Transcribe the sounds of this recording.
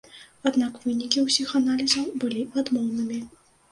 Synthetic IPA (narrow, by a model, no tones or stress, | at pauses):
ad̪nakvɨnʲikʲiwsʲixanalʲizɐwbɨlʲiad̪mɔwnɨmʲi